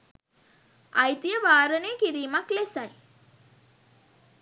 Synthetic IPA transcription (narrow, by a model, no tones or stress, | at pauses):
ajt̪ijəʋaːɾənejəkiɾiːmaklesaj